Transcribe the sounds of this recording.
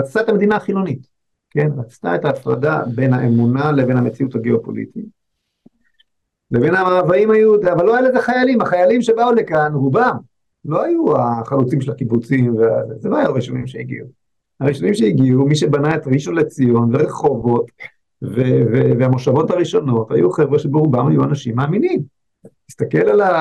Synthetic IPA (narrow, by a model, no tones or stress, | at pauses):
ʁat͡statamed̪inaːχilo̞nit | ke̞nʁat͡sta̰etaːfʁa̰da̰be̞naʔemunale̞ve̞nhamet͡siuthaɡeopo̞̰lḭtit | levenaavaimhajud̪eavalːoajuezeχajalimaχajalimʃebaulekanubam | lo̞ajuaχalut͡simʃelakibut͡simveazezeloajuʁiʃo̞nimʃeiɡḭu | aʁiʃo̞nimʃeiɡiumiʃe̞banaetʁiʃo̞nlet͡sijo̞nve̞ʁeχo̞vo̞t | veveveamoʃavo̞thaʁiʃo̞no̞tha̰juχevʁeʃebeʁubamhajuanaʃimːaːminim | tist̪ake̞lala